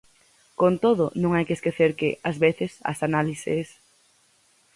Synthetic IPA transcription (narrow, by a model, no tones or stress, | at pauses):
kont̪oðʊnõŋajkeskeθeɾkɪazβeθesa̰sanalisḛs